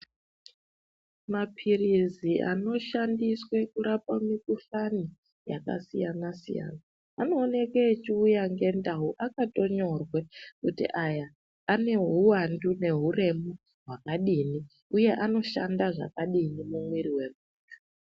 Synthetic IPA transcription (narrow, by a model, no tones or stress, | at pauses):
mapʰiriziʔano̞ʃandiswe̞kuɾapamikuɬani | jaka̰sijanasḭja̰naː | no̞ːne̞keːt͡ʃiujaŋɡe̞ndaɦuʔakato̞ɲo̞rwe̞kutḭʔajaː | ne̞ɦuwandune̞ɦure̞mu | ɦwakaɗini | uje̞ʔano̞ʃandaʐa̰kaɗinimumwiriwe̞muːtʰu̥